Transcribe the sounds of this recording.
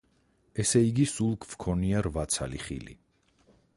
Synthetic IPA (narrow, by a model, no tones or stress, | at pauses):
ɛsɛiɡisulˠkʰv̥kʰɔniaɾvat̪sʰa̰lḭχḭlḭ